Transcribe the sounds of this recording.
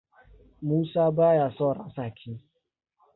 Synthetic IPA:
mu˦sa˦ba˦ja˨sɔ˦˨ɾa˨sa˨kʰɪ˦

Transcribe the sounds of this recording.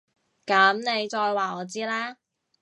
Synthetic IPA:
kɐ˨˥mne˨˧jt͡ʃɔː˧jwaː˨˩ɔː˨˧t͡siː˥laː˥

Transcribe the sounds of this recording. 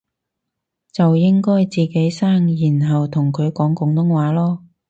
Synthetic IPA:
t͡sɐ˨wjɪ˥ŋkɔː˥jt͡siː˨ke˨˥jsaː˥ŋjiː˨˩nɦɐ˨wt̪ʰʊ˨˩ŋkʰɵ˨˧ɥkɔː˨˥ŋkʊ˨˥ŋt̪ʊ˧˥ŋwaː˨˥lɔː˥

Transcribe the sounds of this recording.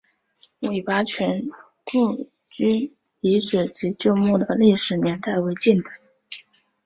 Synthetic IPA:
we˨˩ɪpa˥t͡ɕʰɥɛ˧˥n | ku˥˩ | t͡ɕy˥ | i˧˥ʈ͡ʂɻ̩˨˩t͡ɕi˧˥t͡ɕjo˥˧ʊmu˥˩d̪ə˩li˥˩ʂɻ̩˨˩njɛ˧˥nt̪a˥˩ɪwe˧˥ɪt͡ɕi˥˩nd̪ə˧˩˦

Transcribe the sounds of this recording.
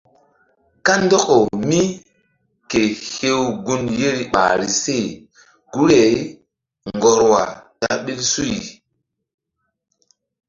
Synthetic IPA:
ka˦ndɔ˦ko˨mi˦ | ke˨he˦wɡu˦nje˦ɾi˨ɓa̰ː˨ɾi˨se˦˨ | ɡ̥u˦ɾe˨i˦ | ŋŋɡɔ˨ɾwa̰˨ta̰˦ɓi˦lsu˦i˨

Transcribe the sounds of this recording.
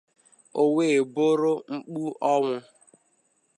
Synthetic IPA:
o˨we˨bo˦ɾo˦ŋ͡m̩˦k͡pu˦ʔɔ˦ŋʊ˦

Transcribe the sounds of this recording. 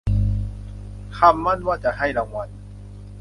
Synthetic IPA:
kʰa˧˥˩mːa˧˥˨nwaː˧˩t͡ɕa˧ha˧˥˩jla˧˩ŋwa˧˥˨n

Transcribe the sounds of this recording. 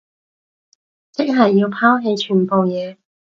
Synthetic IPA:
t͡sɪ˥k̚ɦɐ˨˩jːiː˧wpʰaː˥wɦe˧jt͡ʃʰyː˨˩npo˨wjɛː˨˧

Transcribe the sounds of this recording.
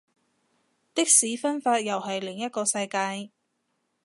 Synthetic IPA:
t̪ɪ˥k̚siː˨˥fɐ˥nfaː˧t̚jɐ˨˩wɦɐ˨jlɪ˨˩ŋjɐ˥t̚kɔː˧sɐ˧jkaː˧j

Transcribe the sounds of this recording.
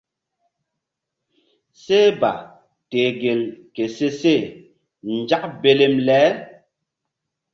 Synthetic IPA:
se˦ba̰˨ | te˨ɡe˨lke˨se˦se˦˨ | n̩˨d͡ʒa˦k̚be˨le˨mlɛː˨˦

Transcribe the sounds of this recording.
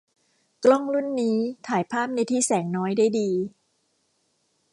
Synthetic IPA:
klɔ˥˩ŋlu˥˩nːiː˦˥t̪ʰaː˩˦jpʰaː˥˩p̚na˧jt̪ʰiː˥˩sɛː˩˦ŋnɔː˦˥jdaː˥˩jdiː˧

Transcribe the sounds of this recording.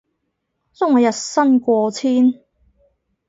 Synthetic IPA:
t͡sʊ˥ŋɔː˨˧jɐ˨t̚sɐ˥nkʷɔː˧t͡sʰiː˥n

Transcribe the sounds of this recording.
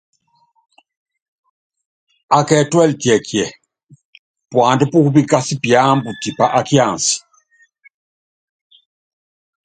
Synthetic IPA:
a˨kɛ˨twɛ˦ltjɛ˨kjɛ˨ | pwa˨ndi˦pu˦ku˦bi˦ka˦si˦pja˦mbu˨ti˨pa˨ʔa˦kja˨nsi̥˨

